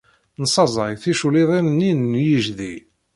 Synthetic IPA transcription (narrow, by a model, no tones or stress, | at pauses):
nsˤɑzˤɑjθiʃuliðˤinnːinnjiʒði